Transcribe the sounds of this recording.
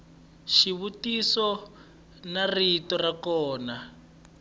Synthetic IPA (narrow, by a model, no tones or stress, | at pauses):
ʃiβutisɔ | naritɔrakɔːna